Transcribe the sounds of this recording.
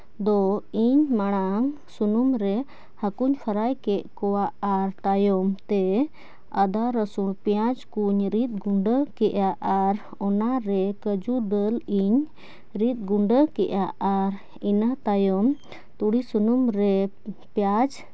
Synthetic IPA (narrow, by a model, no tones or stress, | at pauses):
d̪ɔiɲmaɽ̃aŋ | sunumɾɛ | həkuɲkʰəɾajkɛʔkɔwaʔaɾt̪ajɔmt̪ɛ | əd̪aɾəsuɽpjad͡ʒkuɲɾit̪̚ɡuɳɖəkɛʔaʔaɾ | ɔnaɾɛkəd͡ʒuɖəliɲ | ɾit̪̚ɡuɳɖəkɛʔaʔaɾ | inat̪ajɔm | t̪uɽisunumɾɛ | pjad͡ʒ